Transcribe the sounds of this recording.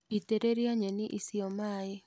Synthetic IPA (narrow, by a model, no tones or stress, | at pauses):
iteɾeɾjaɲeniʔisiomaje